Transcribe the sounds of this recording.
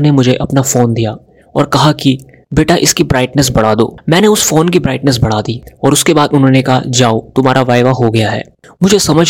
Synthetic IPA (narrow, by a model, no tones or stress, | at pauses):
nemʊd͡ʒʱeʔɐpnafoːnd̪ijaː | ɔ̰ːɾkɐɦaki | beːʈaʔɪskibɾaːɪʈnəs̬bɐɽ̤aːd̪o̰ːmɛ̃ːneʊsfoːnkibɾaːɪʈnəs̬bɐɽ̤aːd̪iɔːɾʊskebaːd̪ʊnɦõːnekɐɦa̰d͡ʒaːot̪ʊmaːɾaʋaːɪʋaɦoɡɐjaɦɛ̰ː | mʊd͡ʒʱesɐməd͡ʒʱ